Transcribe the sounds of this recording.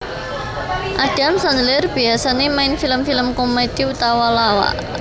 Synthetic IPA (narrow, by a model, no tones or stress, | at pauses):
ʔaɖ̥a̤msanlɪrb̥iasanemaɪnfiləmfiləmkomed̥iut̪awalawa̰ʔ